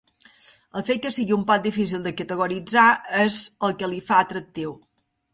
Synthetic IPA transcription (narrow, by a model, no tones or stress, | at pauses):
əlˠfet̪̚kəsiɣiumpɔt̪̚d̪ifis̬ilˠd̪əkət̪əɣuɾid͡zaezəlˠkəlifaət̪ɾək̚t̪iw